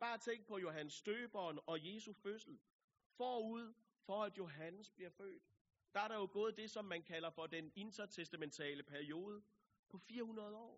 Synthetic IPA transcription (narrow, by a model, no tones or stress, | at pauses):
b̥ɑ̈ːæt͡sʰeŋ̰ɡ̥̚pʰɒ̽jo̝ɦænəsːd̥øːb̥ɒnɒ̽je̝ːsuføsl̩ | fɒ̰ːuð̞̰ˠ | fɒ̽æd̥jo̝ɦænəsb̥liɐfø̰ːd̥ | d̥ɑ̈æɐɾɑ̈jo̝ɡ̥ɔ̽ːð̞̩ˠd̥e̝sɒ̽mːænkʰæl̰ɐfɒ̽d̥ene̝nt͡sʰɐt͡sʰesd̥æment͡sʰɛ̰ːləpʰæɐio̝ːð̞ˠə | pʰɒ̽fiːɐhunɐð̞ˠɒ̰ː